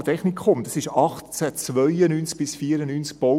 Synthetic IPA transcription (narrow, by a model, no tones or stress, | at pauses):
t̪ʰɛχnikχʊmtdɑsɪʃɑχtt͡sæt͡sʋœʏənyːnt͡sk̚b̥ɪsfiːəɾənyːnsk̚b̥ɔ